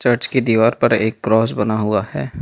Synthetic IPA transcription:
t͡ʃɐɾt͡ʃked̪iːʋaːɾpɐɾeːkːɾɔːsbɐnaɦʊahɛː

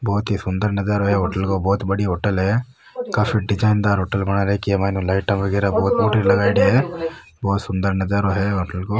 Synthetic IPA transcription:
boːt̪isund̪ɐɾnɐd͡ʒaːɾoɦeɦɔʈɐlɡoboːt̪bɐɽiɦɔʈːɐle | kafiɖid͡ʒajnd̪aːɾɦɔʈɐlmɐɳɐɾekiemajnulɐjʈɐmɐɡiɾaboːt̪uːʈɐlɐɡaːjɽie | boːt̪sund̪ɐɾnɐd͡ʒaːɾoɦeɔʈɐlɡo

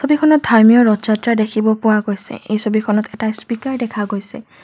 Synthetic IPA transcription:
sobikʰɔnɔt̚dʱaɹmijɔɹɔtzatɹadekʰibɔpʊwaɡojsɛ̰ḛjsobikʰɔnɔtɛtaspikaɹdɛkʰaɡojsɛ̰

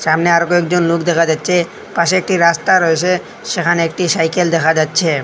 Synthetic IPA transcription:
ʃamneaɾokɔek̚d͡ʑonlukʰd̪ɛkʰad͡ʑatːɕʰe | paʃeek̚ʈiɾast̪aɾoet͡ɕʰe | ʃekʰaneek̚ʈisajkeld̪ɛkʰad͡ʑatːɕʰe

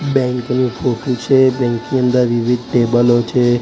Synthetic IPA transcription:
bɛŋknipʰoʈut͡ʃʰebɛŋkiənd̪aʋibʱid̪̚ʈebəlɦot͡ʃʰe

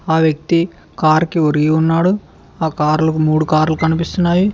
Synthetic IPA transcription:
aːʋjɐk̚t̪i | kaːɾkioɾiɡiunːaːɽu | aːkaːɾlumuːɽukaːɾlukɐnipist̪unːaːji

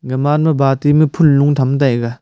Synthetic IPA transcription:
ɡɐmanmɐbatimɯpʰunluŋtʰamt̬ajɡa

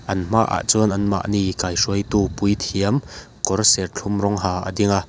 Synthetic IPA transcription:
ʔɐnm̥aʔa̰ʔt͡suənʔɐnma̰ʔnikajʂuəjt̪uːpujt̪ʰiəm | kɔrsɛrt͡ɬʰʊmrɔŋɦaːʔa̰d̪iŋa

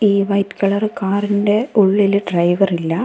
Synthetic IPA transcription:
iːʋɐjtkɐɭɐrkaːrinde̞uɭːilɖrɐjʋɐrilːɐ

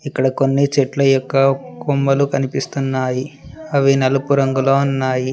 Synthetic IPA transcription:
ikːɐɽɐkonːit͡ʃeʈlɐjɔkːɐkumbɐlukɐnipist̪unːaːjiɐʋinɐlɐpuɾɐŋɡulo̞ːunːaːji

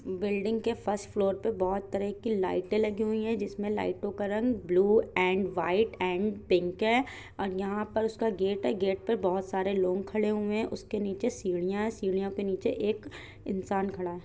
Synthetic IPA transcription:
bɪlɖɪ̃ŋɡkefʰɐɾsʈfloːɾpebɔːt̪ːɐɾəkila̰ːɪʈẽlɐɡiɦʊiɦɛ̃d͡ʒɪsmẽla̰ːɪʈõkaɾɐ̃ŋɡbluːɛ̃ːɳɖʋaːɪʈɛ̃ːɳɖpɪ̃ŋkɦɛː | ɔːɾjɐɦãpɐɾʊskaɡeːʈɦɛɡeːʈ̚pɐɾbɔːʊt̪saːɾeloːɡkʰɐɽeɦʊẽʔʊskeniːt͡ʃesiːɽ̃ijãɦɛsiːɽ̃ijõkeniːt͡ʃeʔeːk | ɪ̰̃nsaːnkʰɐɽaɦɛː

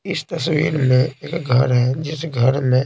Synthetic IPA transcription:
ɪst̪ɐswiːɾmẽeːkɡʱɐɾɦɛd͡ʒɪsɡʱɐɾmẽ

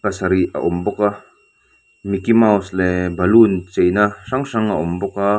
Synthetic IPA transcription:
kɐsɐɾiɐ̰ʔʊmbɔka | mikimawslɛbɐlunt͡ʃejnaʂaŋʂaŋɐʔʊmbɔka

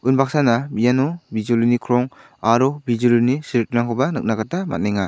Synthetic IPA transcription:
unbak̚sanamijanɔbizulinikʰɾɔŋ | aɾɔbizulinisiɾit̚naŋɦʰɔbanɯk̚naɡatama̰t̚neŋa

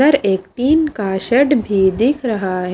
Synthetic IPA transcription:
ɐɾeːk̚ʈiːnkaːʃəɖbʱid̪ɪkʰɾɐɦaɦ

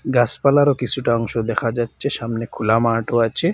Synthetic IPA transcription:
ɡaspalaɾokit͡ɕʰuʈaɔŋʃod̪ɛkʰad͡ʑatːʃʰeʃamnekʰulamaːʈoat͡ɕʰe

